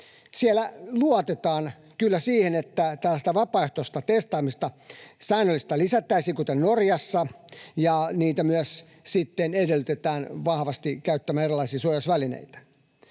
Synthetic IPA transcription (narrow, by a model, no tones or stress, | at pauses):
sielæluot̪et̪ɑːn | kylːæsiːhenet̪ːæt̪ælːæst̪æʋɑpɑeht̪ost̪ɑt̪est̪ɑːmist̪ɑsæːnølːist̪ɑlisæt̪ːæisiːkut̪ennorjɑsːɑjɑniːt̪æmyæs | sit̪ːenedelyt̪et̪æːnʋɑhʋɑst̪ikæyt̪ːæmæːnerilːˑɑisiːsuojɑsʋælinḛit̪æ̥